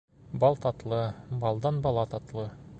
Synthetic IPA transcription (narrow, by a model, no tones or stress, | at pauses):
bɑlˠt̪ɑt̪lˠɤbɑlˠd̪ɑnbɑlˠɑt̪ɑt̪lˠɤ